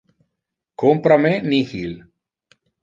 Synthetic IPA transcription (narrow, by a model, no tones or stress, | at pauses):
kompɾamenihil